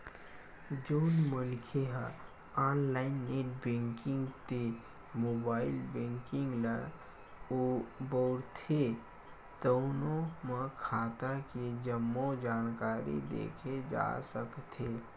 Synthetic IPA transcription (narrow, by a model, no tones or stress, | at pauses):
d͡ʒoʊnmənkʰeɦə | aːnlaːɪnːeːʈbẽːŋkɪ̃ŋɡt̪e | moːbaːɪlbẽːŋkɪ̃ŋɡlə | obəʊɽt̪ʰe | t̪əʊnõmə̃kʰaːt̪aked͡ʒəmːod͡ʒaːnkaːɾḭd̪ḛːkʰed͡ʒa̰ːsəkt̪ʰeː